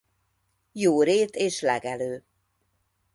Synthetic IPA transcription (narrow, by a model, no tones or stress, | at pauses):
joːɾeːt̪eːʃlɛɡɛløː